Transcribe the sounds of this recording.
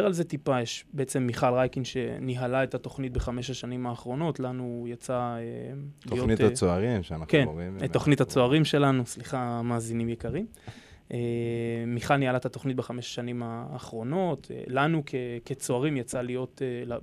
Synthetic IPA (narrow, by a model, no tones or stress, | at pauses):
ealzetipajeʃbeet͡se̞mːiχalʁajkinʃe̞̰niɦalaet̪at̪o̞χnit̪̚beχameʃaʃanimaːχʁo̞no̞tlanujat͡saelijonitaoaʁimʃnakentːoχnit̪at͡soaʁimʃe̞lanusliχamaːzinimjekaʁim | ʔemiχalnihalaetato̞χnit̚beχameʃḁʃanimaːχʁo̞no̞t̪lanukʰeket͡so̞aʁimjat͡salijo̞t̪ela